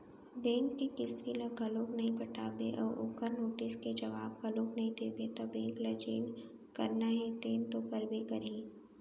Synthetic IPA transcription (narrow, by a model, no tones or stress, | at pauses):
bɛ̃ːŋkːikɪst̪ilɐɡʱɐloːknɐɦĩpɐʈʰaːbeʔɔ̰ːɾʔo̰ːkəɾnoːʈɪsked͡ʒɐʋaːb̚ɡɐloːknɐɦĩd̪eːbet̪obɛ̃ːŋklɐd͡ʒḛːn | kɐɾnaɦɛ̃t̪eːnt̪okɐɾbekɐɾĩː